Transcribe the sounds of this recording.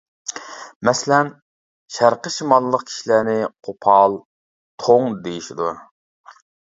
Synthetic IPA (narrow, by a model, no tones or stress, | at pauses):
mɛslɛn | ʃæɾqəʃimɑlˠːəq̚kʲʰi̥ʃilænɪqʰopʰɑlˠ | t̪ʰoŋd̪ejiʃid̪u